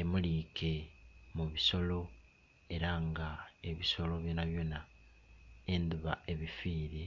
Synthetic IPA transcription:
emulikʰe̞muβiso̞lo̞ | e̞ɾaŋɡae̞βiso̞lo̞βjo̞naβjo̞na | e̞nd̪uβae̞βifiːɾe

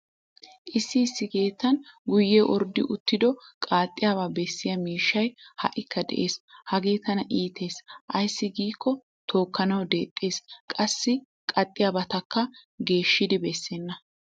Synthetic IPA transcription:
ʔɪsːɪːsːɪke̞ːt̪ːɐnɡʊjːɛʔɔɾd̪ɪʔʊt̪ːɪd̪ɔkʼaːt̪ʼːɪjaːβaːbɛsːɪjɐmiːʃːɐjhɐ̰ʔɪkːɐd̪ɛ̰ʔe̞ːshɐɡe̞ːt̪ɐnɐʔiːt̪ʰe̞ːsʔɐjsːɪɡiːkːɔ | t̪ʰo̞ːkːɐnɐwd̪e̞ːt̪ʼːe̞ːskʼɐsːɪ | kʼɐt̪ʼːɪjabɐt̪ɐkːɐɡe̞ːʃːɪd̪ɪbɛsːɛnːɐ

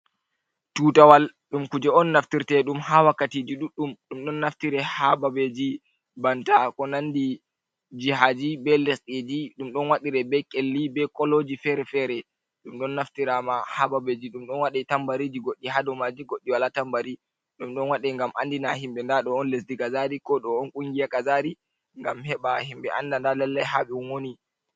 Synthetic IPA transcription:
tuːtawal | ɗumkud͡ʒɛɔnːaftiɾtɛɗumhawakːatiːd͡ʒiɗuɗːumɗumɗɔnːaftiɾɛhababed͡ʒi | bantakɔnandi | d͡ʒiɦad͡ʒibɛlesɗid͡ʒiɗumɗɔnwaɗiɾɛbɛkʼelːibɛkɔlod͡ʒifɛɾɛfɛɾɛ | ɗumɗɔnːaftiɾamahababed͡ʒiɗumɗɔnwaɗitambaɾid͡ʒiɡoɗːihadɔmad͡ʒiɡoɗːiwalatambaɾi | ɗumɗɔnwaɗɛŋɡamʔandinaɦimɓɛndaɗɔɔnles̬dikazaɾikɔɗɔɔnkʼuŋɡijakazaɾi | ŋɡamhɛɓahimbɛʔandandalɛlːɛjɦaɓɛwoni

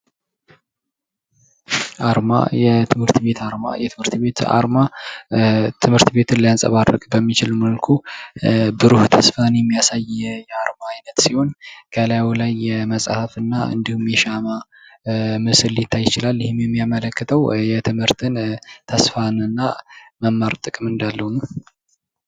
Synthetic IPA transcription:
ʔaɾma̰jɛt̪ʰɨmhɨɾt̪be̞t̪ʰaɾma̰jɛt̪ʰɨmhɨɾt̪be̞t̪a̰ɾma | t̪ʰɨmhɨɾt̪be̞t̪ʰɨnlajansʼə̰βarːə̰kʼbəmːit͡ʃɪlməlkʰu | bɨɾuht̪ʰəsfanjɛmːijasajjɛaɾmaːjnət̪siho̞nkʰəlajawilajːɛməsʼhəfɨnːaɨ̰nd̪ihumjɛʃama | mɨsɨlːjɪt̪ʰːajːɪt͡ʃɪlalːɪhɪmjɛmːijamələkːɨt̪ʰəwjɛt̪ʰɨmhɨɾt̪ʰɨnt̪ʰəsfanɨnːaməmːaɾt̪ʼɨkʼɨmɨnd̪alːəhunə

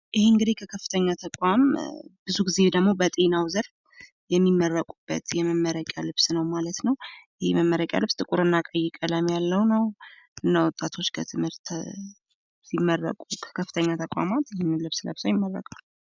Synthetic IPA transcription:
ʔɪheɨŋɡɨd̪ikʰəkʰəfːɨ̥t̪ʰəɲːat̪ʰəkʼambɨzuɡize̞d̪əɡmo̞bət̪ʼe̞nawzəɾ | jɛmːimːərːəkʼubːə̰t̪jɛməmːəɾəkʼja̰lɨβsnəwmalət̪nəwjɪhejməmːəɾəkʼja̰lɨβst̪ʼɨkʼuɾɨnːakʼəjːɪkʼələmjalːəwnəw | ɨnːawɔt̪ʼːat̪ʰo̞t͡ʃːkʰə̰t̪ʰɨmhɨɾt̪ʰ | simːərːə̰kʼukʰə̥kʰəfːɨt̪ʰəɲːat̪ʰəkʷʼa̰mat̪jɪhnːɨnlɨβslə̰βsawjɪmːərːə̰kʼan

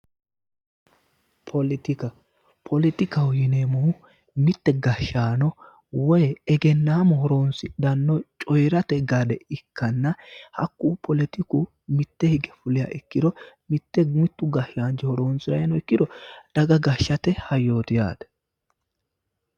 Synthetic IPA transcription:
pʰɔlɪt̪ɪkɐ | pʰɔlɪt̪ɪkɐwjɪneːmɔ | mɪt̪ːɛɡɐʃːaːnɔ | wɔjɛɛɡɛnːaːmɔhɔɾo̞ːnsɪd̪ɐnːɔt͡ʃʼɔjɾɐt̪ɛɡɐd̪ɛɪkːɐnːɐhɐkːuːpʰɔlɪt̪ɪkʊ | mɪt̪ːɛhɪɡɛfʊlɪjɐ̰ʔɪkːɪd̪ɔ | mɪt̪ːɛmɪt̪ːʊɡɐʃaːnd͡ʒɛhɔɾo̞ːnsɪɾɐjnɔɪkːɪd̪ɔd̪̥ɐɡɐɡɐʃːɐt̪ɛhɐjːo̞ːt̪ɪja̰ːd̪ɛ̥

